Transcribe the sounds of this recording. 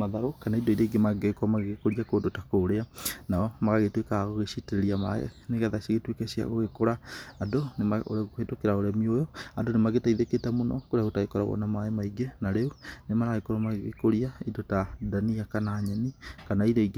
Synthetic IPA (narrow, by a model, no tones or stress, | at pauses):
maðaɾokanaidɔiɾaiɡemaɡeɣekoɔmaɣeɣekoɾiakoːdotakoːɾeanaɔmaɣaɣetwekaɣoɣeɕiteɾeɾiama̰ɛ̰neɣɛðaʃaɣetwekɛɕia̰ɣoɣekoɾaːdonemao̰ɾaɣohetokeɾaoɾamiojɔadonemaɡetaiðeketamonɔkoɾeaɣotaɣekɔɾa̰ɣɔ̰namaemaiɡenaɾeunemaɾaɣekoɾɔmaɣeɣḛkoɾiaidotadaniakanaːɲɛnikanaiɾɔiɡ